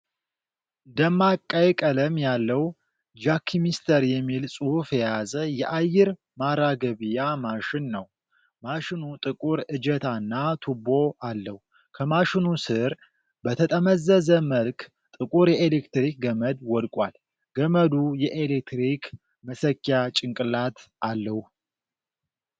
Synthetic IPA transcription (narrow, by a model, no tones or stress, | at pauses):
ɨnd̪əmːakʼːajkʼələmjalːəw | d͡ʒakʰːimist̪ʰəɾjɛmːilsʼuhfjɛjazəjɛʔajːɪɾ | maɾaɡəβijamaʃɪnːəw | maʃɪnut̪ʼɨkʼuɾɨd͡ʒɛt̪ʰanːat̪ʰubo̞alːəhu | kʰəmaʃɪnusɨɾ | bət̪ʰət̪ʼəməzːəzəməlk | t̪ʼɨkʼuɾjɛelekt̪ɾik̚ɡəməd̪wɔd̪kʼa̰l | ɡ̥əməd̪ujɛʔelek̚t̪ɾikʰ | məsəkːjat͡ʃʼɪŋkʼɨlat̪ʔalːəhu